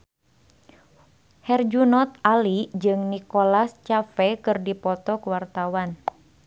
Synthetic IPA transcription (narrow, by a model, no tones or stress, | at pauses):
hɛrd͡ʒunɔt̪alid͡ʒɨŋnikolast͡ʃafɛkɨrdipɔt̪ɔkuwart̪awan